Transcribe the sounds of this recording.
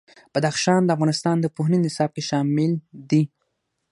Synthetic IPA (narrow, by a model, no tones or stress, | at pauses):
b̥ad̪axʃɑnd̪əafɣɑnɪst̪ɑnd̪əpoɦninɪsɑb̚keʃɑmɪld̪i